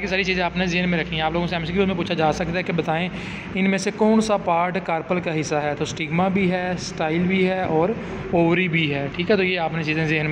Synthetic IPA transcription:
kesaːɾit͡ʃiːzẽaːpnezɪɦnmẽɾəkʰːĩɦɛ̃aːploːɡõsɛːmskoːmẽpuːt͡ʃʰad͡ʒaːsəkd̪aɛkebət̪aːẽ | ɪnmẽːsekɔːnsapaːɾʈkaːɾpəlkaɦɪsːaɦɛːt̪oːsʈɪɡmabʱiːɦɛːsʈaːɪlbʱiɦɛːʔɔːɾ | oːʋɾibʱiɦɛːʈʰiːkɦɛt̪oːjeaːpnet͡ʃiːzẽːzɪɦən

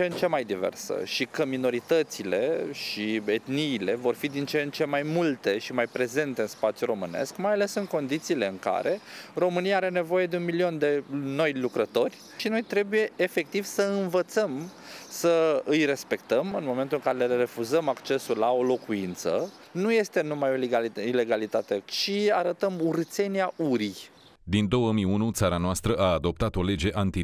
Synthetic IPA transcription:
ent͡ʃemajd̪ivḛrsə̰ʃikəmino̞ɾit̪ət̪sile̞ʃie̞t̪niːle̞vo̞rfid̪int͡ʃent͡ʃe̞majmult̪e̞ʃimajpɾe̞ze̞nt̪e̞ɨnspat̪sjuɾo̞mɨne̞̰skmajale̞sɨŋko̞nd̪it̪siːle̞ɨŋka̰ɾe̞ro̞mɨnijaaɾe̞ne̞voje̞d̪e̞unmilio̞nd̪e̞no̞jlukɾət̪o̞rʲ | ʃino̞jt̪ɾe̞buje̞ːfe̞k̚t̪iv̥səɨnvət̪səm | səɨjre̞spe̞kt̪əmɨnmo̞ment̪ulɨŋkaɾelere̞fuzəmakt͡ʃe̞sulːao̞lo̞kuint̪sə̰ | nuje̞st̪e̞numajo̞lɡaile̞ɡalit̪at̪e̞t͡ʃiaɾət̪əmuɾɨt̪se̞niaʔuɾij | d̪ind̪o̞wəmiunut̪saɾanoast̪ɾəʔaːd̪o̞p̚t̪at̪o̞le̞d͡ʒe̞ʔant̪i

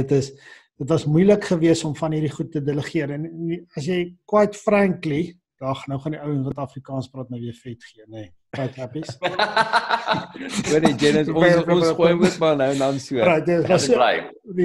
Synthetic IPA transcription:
ətəs | d̥ətvɐsmujləkχəviəsɔmfɐnɦiɾiχutːədələχiəɾɛnniɐsjɛjkwɐjtfræŋkli | d̥ɑːχɐnːəwχɐndiəwəŋvɐtɐfrikɑːnspɾɑːt̚məviəfɛtχiəne | kɐtɦæpis | uəned͡ʒenəsɔpnumuətmɑlnəwnɐnsuəɾɐjtəəvɐs | di

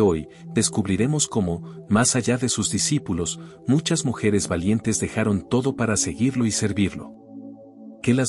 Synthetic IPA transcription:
o̞j | ðe̞skuβɾiɾe̞mo̞sko̞mo̞masaʝaðe̞suzd̪isipulo̞s | mut͡ʃazmuxe̞ɾe̞zβalje̞nt̪e̞zðe̞xaɾo̞nt̪o̞ðo̞paɾase̞ɣiɾlo̞ise̞ɾβiɾlo̞̰ | ke̞laz

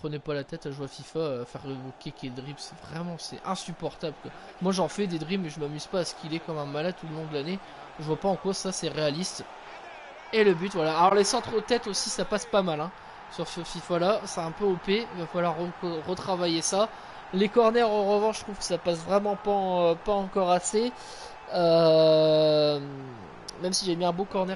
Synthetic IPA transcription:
pχənepalat̪ɛt̪aʒwafifafɛʁdəvokʲekʲed̪ʁibsɛ̥vʁɛmɑ̃sɛ̰ɛ̃sypɔʁt̪abləkwa | mwaʒɑ̃fɛd̪ed̪ʁibmɛʒəmamyz̥paːsə̥kʰʲilɛkɔmɛ̃malad̪̚t̪uləlɔ̃d̪əlane | ʒəvwapaɑ̃kwasasɛʁealist̪ | eləbyt̪vwalaːlɔʁlesɑ̃t̪χət̪ɛt̪osisapaspamalɛ̃ | syʁsəfifalasɛɛ̃pøopeivafalwaʁːəʁət̪χavajesa | lekɔʁnɛʁoʁəvɑ̃ʃt̪χuv̥kə̥sapasvʁɛmɑ̃paøpaɑ̃kɔʁase | ø | mɛmsiʒabjɛ̃ɛ̃bokɔʁnɛʁ

